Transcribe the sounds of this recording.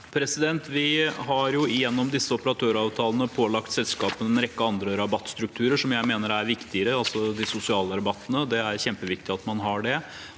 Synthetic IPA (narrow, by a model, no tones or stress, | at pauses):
pʰɾɛsɪd̪ɛnt̪ʋɪɦɑɾjʊɪjɛnːɔmd̪ɪsːəɔpəɾɑt̪ʰøːɾɑːʋt̪ʰɑːlənəpʰoːlɑkt̪sɛlskɑːpənɛnɾɛkːəɑnd̪ɾəɾɑbɑt̪ːst̪ɾʉk̚t̪ʰʉːɾəʂɔmjæɪmeːnəɾæɾʋɪkt̪ɪəɾəɑlsɔd̪ɪsʊsɪɑːləɾɑbɑt̪ːənəd̪ɛæɾçɛmpəʋɪkt̪ɪɑt̪mɑnɦɑɖɛ